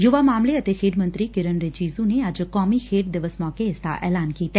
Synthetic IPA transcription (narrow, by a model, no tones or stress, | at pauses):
jʊʋaːmaːmleət̪eːkʰeːɖmə̃nt̪ɾiːkɪɾənɾet͡ʃiːzuneɐd͡ʒkɔːmikʰeːʈd̪ɪʋəsmɔːkeɪst̪a̰ːʔɛ̰ːlaːnkiːt̪ɛː